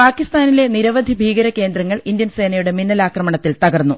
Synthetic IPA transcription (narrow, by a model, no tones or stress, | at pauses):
paːkːist̪aːnile̞niɾɐʋɐd̪ʱibʱiːɡɐɾɐke̞ːnd̪ɾɐŋːɐɭind̪jɐnse̞ːnɐjuɽe̞minːɐlaːkrɐmɐɳɐt̪ːilt̪ɐɣɐrnːu